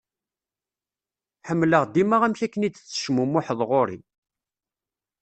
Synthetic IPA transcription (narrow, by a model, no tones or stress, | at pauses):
ħəmːləʁd̪imaʁæmçækːənid̪t͡sːə̥ʃmumʊħəðˤʁoɾḭ